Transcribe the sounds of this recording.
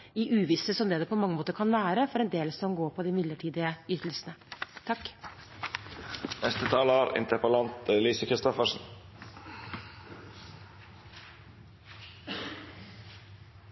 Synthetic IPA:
ɪʔʉːʋɪsəsɔmd̪ɛd̪ɛːpʰɔmɑŋːəmoːt̪əɾkʰɑnʋæːɾəfɔɾɛnd̪eːləssɔmɡoːɾpʰɔd̪ɪmɪd̪ləʈʰiːd̪ɪəʏt̪əl̩sənət̪ʰɑkː | nɛst̪ət̪ʰɑːlɑːɾɪ̰nt̪əɾpəlɑnt̪liːsəkʰɾɪst̪ɔfəʂn̩

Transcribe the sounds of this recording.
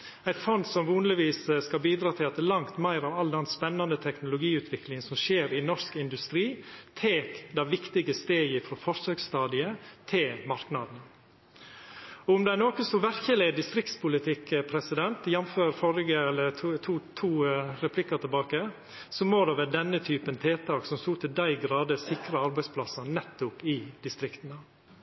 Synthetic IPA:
æɪt̪fɔnd̪sɔmʋuːnlɪʋiːsskɑlbiːd̪ɾɑːt̪ʰɪlɑt̪ɛlɑŋt̪mæɪɾɑʋɑld̪ɛnspɛnːɑnət̪ʰɛknʊlʊɡiːʉːt̪ʰʋɪklɪŋənsɔmʃeːɾɪnɔʂkɪnd̪ʉst̪ɾiːt̪ʰeːkd̪ɑʋɪkt̪ɪɡəst̪eːɡəfɾɔfɔɾsøːkst̪ɑːd̪ɪət̪ʰɪlmɑɾknɑd̪n̩ | ɔʊmd̪ɛænoːkəsɔʋæɾçəlɪd̪ɪst̪ɾɪk̚t̪spʊlɪt̪ʰɪkəpʰɾɛsɪd̪ɛnt̪jɛmføːɾfɔɾɡəɛlːətʰt̪ʰuːt̪ʰuːɾɛpʰlɪkːɑt̪ʰɪlbɑːkə | sɔmoːd̪ɛʋæːd̪ɛnːət̪ʰyːpənt̪ʰeːt̪ʰɑːksɔmst̪uːt̪ʰɪld̪æɪɡɾɑːd̪əsɪkɾɑɑɾbæɪspʰlɑsɑnɛt̪ːʊpɪd̪ɪst̪ɾɪkt̪nə

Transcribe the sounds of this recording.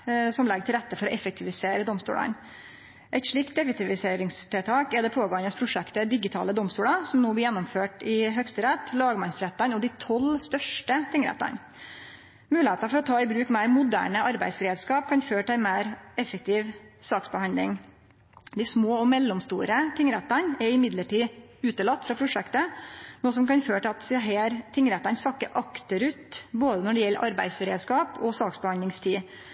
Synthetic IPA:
sɔmlɛɡːəʈʰɪlɾɛt̪ːəfɔɾɔʔɛfɛk̚t̪ʰɪʋɪseːɾəd̪ɔmst̪ṵːlɑ̰n | ʔæɪt̪ʂɭiːk̚t̪̚d̪ɛfɛk̚t̪ɪʋɪseːɾɪŋst̪ɪlt̪ʰɑːkɛd̪ɛpʰoːɡoːɑnəspʰɾʊʂɛkt̪əd̪ɪɡɪt̪ʰɑ̰ːləd̪ɔmst̪uːlɑsɔmnoːblɪɾjɛnːɔmføːʈɪɦœkst̪əɾɛt̪ːlɑːɡmɑnsɾɛt̪ːɑnɔd̪ɪt̪ʰɔlst̪œʂʈət̪ʰɪŋəɾɛ̰t̪ːɑ̰n | mʉːlɪheːt̪ɑfɔɾɔt̪ʰɑːɪbɾʉːkmæɪɾmʊd̪æ̰ːɳəʔɑɾbæɪsɾeːd̪skɑːp̚kʰɑnføːʈɪæɪmæɪɾɛfːək̚t̪ʰiːʋsɑːksbəhɑnd̪ɪ̰ŋ | d̪ɪsmoːɔmɛlːɔmst̪ṵːɾət̪ʰɪŋɾɛt̪ːənɛɾɪmɪd̪ləʈiːʉːt̪əlɑt̪ːfɾɑpʰɾʊʂɛkt̪ənoːsɔmkɑnføːʈɪɑt̪ɦeːɾt̪ʰɪŋɾɛt̪ːɑnsɑkːəʔɑkt̪əɾʉːt̪boːd̪ənɔɖɛjɛlːəʔɑ̰ɾbæ̰ɪsɾḛːd̪skɑːpɔsɑːksbəhɑnlɪŋst̪ʰiː

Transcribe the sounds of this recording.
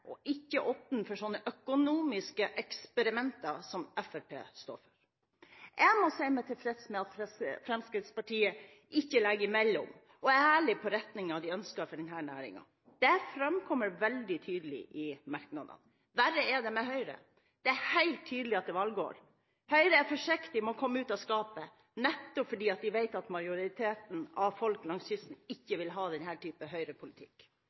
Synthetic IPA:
ɔʔɪçːəʔɔpənfɔʂɔnːəʔœkʊnuːmɪskəʔɛkspɛɾɪmɛnt̪ɑsɔmɛfæɾpʰḛːst̪o̰ːɾfœɾ | ʔɛmɔsæɪmɛt̪ʰɪlfɾɛt̪smɛɑt̪fɾɛmskɾɪt̪spɑʈʰiːə | ʔɪçːəlɛɡːəɾɪmɛlːɔ̰m | ɔæɾæːɭɪpʰɔɾɛt̪nɪŋɑʋd̪ɪœnskɑfɔɖɛnɦæːɳæ̰ːɾɪ̰ŋɑ̰ | d̪̥ɛfɾɛmkʰɔmːəɾʋɛld̪ɪt̪ʰyːd̪əlɪ̰ʔɪmɑɾknɑd̪ə̰n | ʋæɾəɛd̪ɛmɛɦœʏɾə̰ | d̪̥ɛæhæɪlt̪ʰːyːd̪lɪɑt̪̚d̪ɛʋɑlɡo̰ːɾ | hœʏɾəæɾfɔʂɪkt̪ɪmɔkʰɔmːəʉːt̪ɔskɑːpə | nɛt̪ːɔpfɔɖiːɑt̪d̪ɪʋæɪt̪ɑt̪mɑɪʊɾɪt̪ʰeːt̪n̩ɑʋfɔlklɑŋsçʏst̪n̩ɪçːəʋɪlɦɑːd̪ɛnɦæːʈʰyːpəɦœʏɾəpʰʊlɪt̪ʰɪ̥̰kː

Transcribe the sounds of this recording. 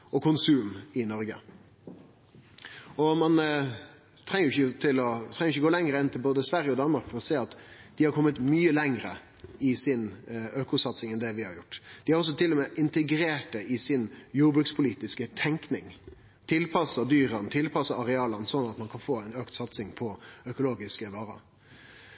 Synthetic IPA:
ɔkʰʊnsʉːmɪnɔɾɡə̰ | ɔmɑn | t̪ʰɾɛŋːəjʊɪçət̪ʰɪlɔt̪ʰɾɛŋəʊɪçːəɡoːlɛŋɾəɛnt̪ɪlboːd̪əsʋæɾjəɔd̪ɑnəmɑɾkfɔɾɔseːɑt̪d̪̥ɪhɑɾkʰɔmːət̪myːəlɛŋɾə̰ | ɪsɪnøːkʊsɑt̪sɪŋɛnd̪ɛʋɪhɑɾjʊʈːd̪̥ɪhɑɾɔs̬ːɔt̪ʰɪlːɔmɛʔɪnt̪əɡɾeːʈəɪsɪnjuːɾbɾʉkspʰʊliːt̪ɪskət̪ʰɛŋknɪŋ | t̪ʰɪlpʰɑsɑd̪yːɾənt̪ʰɪlpʰɑsɑɑɾɛɑːlənsɔnːɑt̪mɑnkʰɑnfoːɛɪnøːkt̪sɑt̪sɪŋpʰɔœkʊloːɡɪskəʋɑːɾə̰

